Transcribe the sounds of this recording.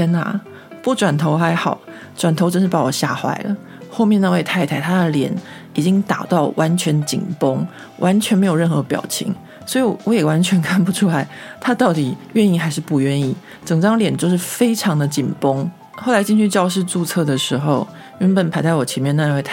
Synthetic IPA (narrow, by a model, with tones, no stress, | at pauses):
ɛ˥na̰˨˩ | pu˥˩ʈ͡ʂwa˨˩nt̪ʰo˧˥ʊxa˧˥ɪxɑ˨˩˦ʊ | ʈ͡ʂwa˨˩nt̪ʰo˧˥ʊʈ͡ʂə˥nʂɻ̩˥˩pa˧˥wɔ˨˩ɕja̰˥˩xwa̰˧˥ɪlə̰˨˦ | xo˥˧ʊmjɛ˥˧na˥˧we˥˧ɪt̪ʰa˥˧ɪt̪ʰa˥˩ɪt̪ʰa˥d̪ə˨ljɛ̰˨˩n | i˨˩t͡ɕi˦˥ŋt̪a˨˩t̪ɑ˥˩ʊwʔa˧˥nt͡ɕʰɥɛ˧˥nt͡ɕḭ˨˩npo˥ŋ | wʔa˧˥nt͡ɕʰɥɛ˧˥nm˧˥ɪjo˨˩ɻə˥˩nxɤ˧˥pjɑ̰˨˩ʊt͡ɕʰḭ˧˥ŋ | swɔ˧˥i˨wɔ˧˥jɛ˨˩wa˧˦nt͡ɕʰɥɛ˧˥nkʰa˥˩npu˨˩ʈ͡ʂʰu˥la˧˥ɪt̪ʰa˥t̪ɑ˥˩ʊt̪i˨˩ɥɛ˥˧ni˥˩xa˧˥ɪʂ̬ɻ̩˥˧pu˥˧ɥɛ˥˧ni˥˩ | ʈ͡ʂɤ˨˩ŋʈ͡ʂɑ˥ŋljɛ˨˩nt͡ɕjo˥˧ʊʂ̬ɻ̩˥˩fe˥ɪʈ͡ʂʰɑ˧˥ŋd̪ə˧t͡ɕi˨˩npo˥ŋ | xo˥˩la˧˥ɪt͡ɕi˥˧nt͡ɕʰy˥˧t͡ɕjɑ˥˧ʊʂ̬ɻ̩˥˧t͡su˥˧t͡sʰɤ˥˩d̪ə˩ʂɻ̩˧˥xo˥˧ʊ | y˥˩npə˨˩npʰa˧˥ɪt͡sa˥˩ɪwɔ˨˩t͡ɕʰjɛ˧˥nmjɛ˥˧nə˧na˧we˥˧a˥